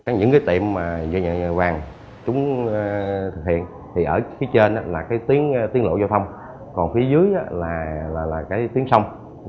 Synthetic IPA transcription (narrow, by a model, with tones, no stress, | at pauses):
kaː˨˦ɲɨ̰˧˥ŋkaː˨˦jt̪ḭ˧˨əmːaː˨˩zɲa˧˨˧vaː˨˩ŋ | t͡ɕʊ˨˦ŋ͡m | t̪ʰɨ˨˩k̚hḭ˧˨ən | t̪ʰi˨˩ʔəː˧˩fi˨˦jt͡ɕe˧nʔaː˨˧˦laː˨˩kaː˨˦jt̪i˨˦ən˧t̪i˨˦əŋlo̰˧˨za˧t̪ʰə˧wŋ͡m | kɔ˨˩nfi˨˦əzɨ˨˦əjʔaː˨˧˦laː˨˩laː˨˩laː˨˩kaː˨˦jt̪i˨˦əŋsə˧wŋ͡m